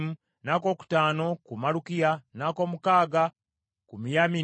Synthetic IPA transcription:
mu | naːko̞ːku̥taːno̞kumalukijanaːko̞ːmukaːɡa | kumijami

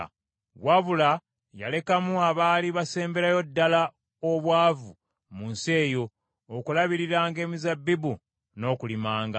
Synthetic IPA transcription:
waβula | ja̰le̞kamuaβaːliβase̞ːmbe̞ɾajo̞dːala | oβwaːvu | munse̞ːjo̞ː | kulaβiɾiɾaːŋɡe̞ːmizabːibu | no̞ːkulimaːŋɡa

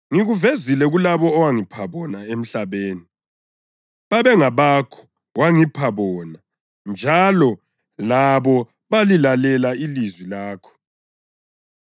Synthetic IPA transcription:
ŋiɣuvezilɛɣulaβɔːwaŋipʰaβɔnaem̩ɬaβeːni | βaβɛŋaβakʰɔ̥ | waŋipʰaβɔna | nd͡ʒʱalɔ | laβɔ | βalilalɛlailizwilaːkʰɔ̥

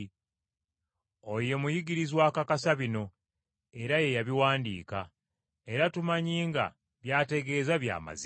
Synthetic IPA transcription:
o̞je̞mujiɡiɾizwaːkakasaβino̞ | e̞ɾaje̞jaβiwaːndḭːka | e̞ɾatumaɲiːŋɡa̰ | βjaːte̞ɡe̞ːzaβja̰ːma̰z

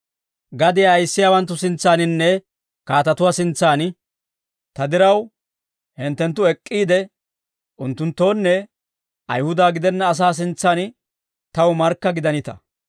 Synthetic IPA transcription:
ɡɐd̪ɪjaːjɪsːɪjaːwɐnt̪̬ːʊsɪnt͡sːaːnɪnːɛ | kaːt̪ɐt̪ʊwaːsɪnt͡sːaːn | t̪ɐd̪ɪɾɐw | hɛnt̪ːɛnt̪̬ːʊɛkʼːiːd̪ɛ | ʔʊnt̪ːʊnt̪ːo̞ːnːɛ | ʔɐjhʊd̪aːɡɪd̪ɛnːɐːs̬aːs̬ɪnt͡sːaːn | t̪ɐwmɐɾkːɐɡɪd̪ɐnɪt̪ɐ̰

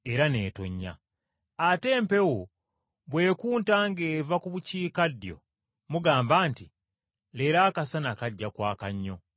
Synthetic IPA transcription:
eɾane̞ːto̰ɲːa̰ | ate̞ːmpe̞wo | βwe̞ːkuːntaːŋɡeːvakuβuciːkadjo̞̰ | muɡaːmbaːnti | leɾaːkasanakaɟːakwaːkaɲːo̞

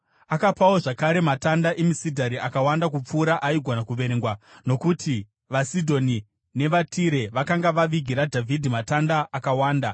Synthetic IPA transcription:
akapawo̞ʐakaɾe̞matandaʔemisidʱaɾiʔakawandakup͡fuːɾaʔaiɡʱonakuʋe̞ɾeŋɡwano̞kutʰi | ʋasidʱo̞ni | ne̞ʋatiɾe̞ʋakaŋɡaʋaʋiɡʱiɾadʱavʱidʱimatandaːkawaːnda

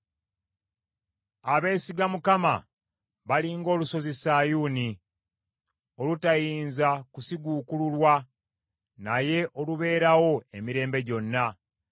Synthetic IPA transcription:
aβe̞ːsiɡamukama̰ | βaliŋɡo̞ːluso̞zesaːjuːni | o̞lutajiːnzakusiɡuːkululwa | naje̞ʔo̞luβe̞ːɾawo̞e̞miɾe̞ːmbe̞ɟo̞nːa

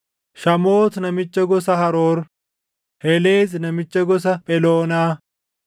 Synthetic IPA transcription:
ʃɐmoːt̪nɐmɪt͡ʃːɐɡɔsɐɦɐɾoːɾ | hɛleːznɐmɪt͡ʃːɐɡɔs̬ɐpʼɛloːnaː

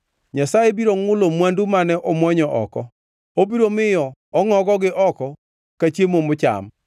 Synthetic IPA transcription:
ɲasajebiɾoŋʊlomwandumanɛʔɔmwɔɲɔʔɔ̰kɔ | obiɾomɪjɔɔŋɔɡɔɡɪʔɔkɔ | kat͡ʃjemomʊt͡ʃa̰m

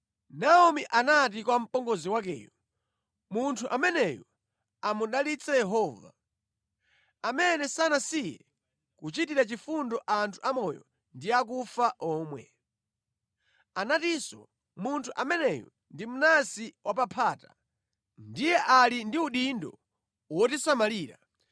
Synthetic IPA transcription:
naɔmiʔanat̬ikwam̩pɔŋɡɔziwak̬ɛ̰ːjɔ | muntʰuʔamɛnɛjɔ | amunɗalit͡sʰajɛɦɔːva̰ | amɛnɛsanasijɛ̰ | kut͡ʃitiɾat͡ʃifundɔʔantʰu̥ʔamɔjɔ̰ | ndiakufaʔɔːmwɛ̰ | anatisɔ̰ | muntʰuʔamɛnɛjɔ̰ | ndimunasiwʔapapʰaːta | ndijɛʔalindiuɗindɔ̰ | wɔtisamaliːɾa

